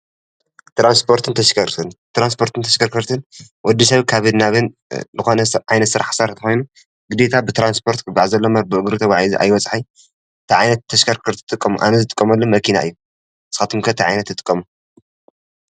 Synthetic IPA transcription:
t̪ɾanspʰo̞ɾt̪ʰɨnt̪ʰɐʃkʰɐɾt̪ʰɨnt̪ɾanspʰo̞ɾt̪ʰɨnt̪ʰɐʃkʰɐɾkʰɐɾt̪ʰɨnwɔd̪is̬ɐβkʰaβɨd̪naβɨn | zɨxonɐʕajnɐt̪sɨɾaħsaɾt̪ʰɐxojnu | ɡɨd̪et̪ʰabɨt̪ʰɾanspʰo̞ɾt̪kʰɨɡaʕzɐlːomabɨʔɨɡɾut̪ʰɐwʷaʕiziʔa̰jwɔt͡sʼħaj | t̪ʰiʕajnɐt̪ʰːɐʃkɐɾkʰɐɾt̪ʰɨ̥t̪ʼɨkʼːɐmuʔa̰nɐzɨt̪ʼɨkʼːɐmɐlːomɐkʰina̰ʔɨjːu | ʔɨsɨ̥xat̪ʰɨmkʰɐt̪ʰiʕajnɐt̪ːɨt̪ʼɨ̥kʼːɐmu

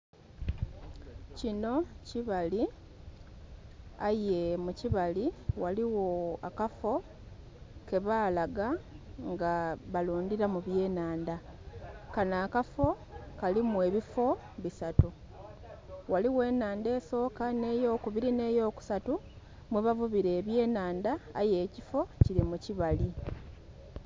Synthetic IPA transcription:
cino̞ciβali | aje̞muciβaliwaliwo̞akafo̞ | ke̞βaːlaɡaŋɡaβaluːndiɾamuβje̞ːnaːnda | kanaːkafo̞ | kalimwe̞ːβifo̞ | βisatu | waliwe̞ːnaːnde̞ːso̞ːkane̞ːjo̞ːkuβiɾine̞ːjo̞ːku̥satu | mweβavuβiɾe̞ːβje̞ːnaːnda̰ːje̞ːcifo̞ciɾimuciβali

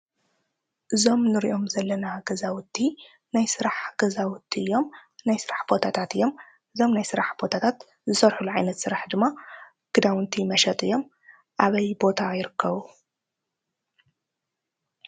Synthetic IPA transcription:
ʔɨzo̞mnɨɾḭʔo̞mzɐlːɐnaɡɐzawʊt̪ʰːi | najsɨɾaħɡ̥ɐzawʊt̪ʰːiɨjːo̞mnajsɨɾaħb̥o̞t̪ʰat̪ʰat̪ɨjːo̞m | ʔɨzo̞mnajsɨɾaħb̥o̞t̪ʰat̪ʰat̪ | zɨsɐɾħuluʕajnɐt̪sɨɾaħd̪ɨmːa | kɨd̪awnt̪ʰimɐʃɐt̪ʼɨjːo̞m | ʔaβɐjbo̞t̪ʰajɪɾɨkʰːɐβu

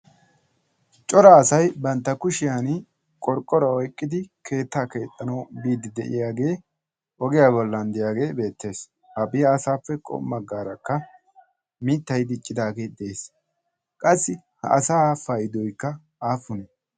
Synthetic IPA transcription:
t͡ʃʼɔɾaːsɐjbɐnt̪ːɐkʊʃɪjaːn | kʼɔɾkʼːɔɾɐɔjkʼːɪd̪ɪkʰe̞ːt̪ːaːke̞ːt̪ʼːɐnɐwbiːd̪ɪd̪ɛ̰ʔɪ̰jaːɡe̞ː | ʔɔɡɪjaːbɔlːɐnd̪ɪjaːɡe̞ːbe̞ːt̪ːe̞ːs | hɐbɪjɐːsaːpːɛkʼɔ̰mːɐɡːaːɾɐkːɐ | mɪt̪ːɐjd̪ɪt͡ʃʼːɪd̪aːɡe̞ːd̪ɛeːs | kʼɐsːɪ | hɐ̰ʔɐsaːfɐjɪd̪ɔjkːɐ | aːfʊnɛ

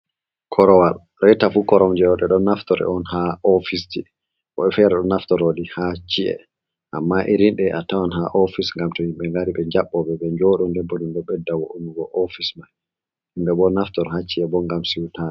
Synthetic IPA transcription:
kʰɔɾɔwal | ɾɛtafukɔɾɔmd͡ʒɛɔɗɛɗɔnːaftɔɾɛ̰ɔnhaɔfisti | ʔɔ̰ɓɛfɛɾɛɗɔnːaftɔɾoɗihat͡ʃiɛ̰ | ʔamːaʔiɾinɗɛʔatawanɦaʔofisŋɡamtɔhimɓɛŋɡaɾiɓɛɲd͡ʒaɓːɔɓɛɓɛɲd͡ʒɔɗɔndɛbːɔɗunɗɔɓɛdːawɔʔunuɡɔʔofismaj | himɓɛɓɔnaftɔɾhat͡ʃːiɛbɔŋɡamsiwtanɛ

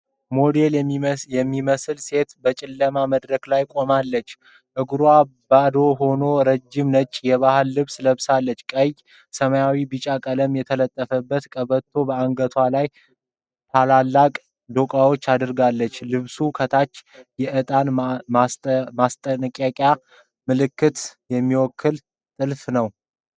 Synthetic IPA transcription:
mo̞d̪e̞ljɛmːiməsɨlse̞t̪bət͡ʃʼɪlːəmaməd̪ɾəklajkʼo̞malːət͡ʃː | ʔɨɡɾwabad̪o̞ɦo̞no̞ɾəd͡ʒːɪmnət͡ʃʼjɛβahɨlːɨβsləβsalːət͡ʃːkʼəj | səməjawibɨt͡ʃʼakʼələmjɛt̪ʰələt̪ʼːəfəbːət̪kʼəβət̪ʰːo̞bəaŋɡət̪ʰwalaj | t̪ʰalalːakʼ | d̪o̞kʼawo̞t͡ʃːad̪ɨɾɡalːət͡ʃːlɨβsukʰət̪ʰat͡ʃːjɛʔɨt̪ʼan | mast̪ʼənkʼjakʼja | mɨlɨkːɨt̪jɛmːiwɔkʰːɨl | t̪ʼɨlfnəw

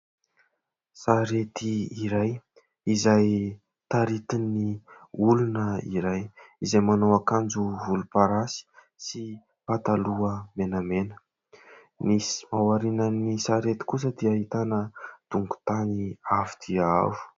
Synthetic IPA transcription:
saɾet̪iiɾaj | izaj | t̪aɾit̪iniulunəiɾajizajmanowakand͡zuvulupaɾasi̥ | si | pat̪aluəmenamenə̥ | nisi̥mawaɾinənisaɾet̪i̥kus̬əd̪iaɦit̪anəd̪̥uŋɡu̥t̪aniavid̪̥ia̰vu̥

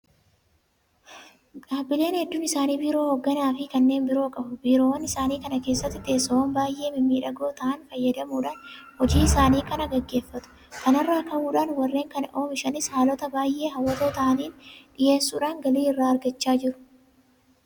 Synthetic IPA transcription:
ᶑaːbɪle̞ːnhɛd̪ːuːnɪsaːniːbiːɾo̞ːhɔɡːɐnaːfɪkɐnːe̞ːnbɪɾo̞ːkʼɐbʊbiːɾo̞ːwɐnɪsaːniːkɐnɐke̞ːsːɐt̪ːɪt̪ɪeːsɐoːnbaːjʔe̞ːmɪmːiːᶑɐɡo̞ːt̪ɐʔɐnfɐjːɐd̪ɐmuːᶑaːnhɔd͡ʒiːɪsaːniːkɐnɐɡɐɡːe̞ːfːɐt̪ʊ̥ | kɐnɐrːaːkɐʔuːᶑaːnwɐrːe̞ːŋkɐnɐʔo̞ːmɪʃɐnɪshaːlɔt̪ɐbaːjʔːe̞ːɦɐwːɐt̪o̞ːt̪ɐʔɐniːnᶑɪje̞ːsːuːᶑaːŋɡɐliːɪrːaːɐɾɡɐt͡ʃːaːd͡ʒɪɾʊ̥

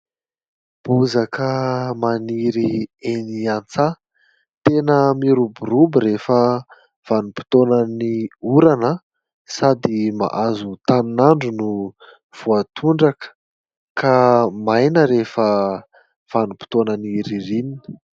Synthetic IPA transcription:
b̥uzakəmaniɾieniant͡sa | t̪enəmiɾubuɾubiɾefə | v̥anupi̥t̪onəniuɾanə | sad̪ima̰ʔazut̪aninaɳɖ͡ʐunu | v̥uat̪ʰuɳɖ͡ʐakə̥ | kamajnəɾefə | v̥anupi̥t̪onəniɾiɾinini̥

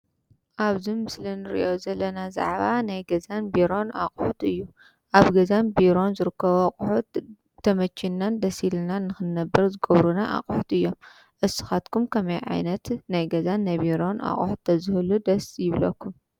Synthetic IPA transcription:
ʔaβzimɨslinɨɾḭʔo̞zɐlːɐnaza̰ʕβanajɡɐzanbiɾo̞naqʼħut̪ɨjːu | ʔaβɡɐzanbiɾo̞nzɨɾɨkːɐβoχʼħut̪ | t̪ʰːɐmɐt͡ʃʰːinːand̪ɐsilnanːɨxɨnːɐbːɐɾzɨɡɐβɾunaʔa̰qʼħut̪ɨjːo̞m | ʔɨsɨ̥xat̪kʰumkʰɐmɐjʕa̰jnɐt̪najɡɐzanːajbiɾo̞na̰χʼħut̪ʰːɐzɨhɨlud̪ɐsjɪβlɐkʰːum

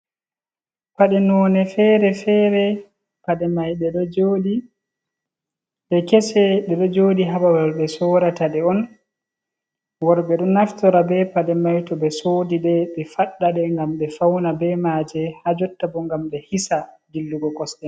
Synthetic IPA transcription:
paɗɛnɔːnɛfɛɾɛfɛːɾɛ | paɗɛmajɗɛɗɔd͡ʒoɗi | ɓɛkɛsɛɗɛɗɔd͡ʒoːɗiɦaɓawaɾbɛsɔːɾataɗɛɔn | wɔɾbɛɗɔnaftɔɾabɛpaɗɛmajtɔbɛsoːdiɗɛɓɛfaɗːaɗɛŋɡamɗɛfawnabɛmaːd͡ʒɛhad͡ʒɔtːabɔŋɡamɗɛhisa | ɡilːuɡɔkɔsɗɛ

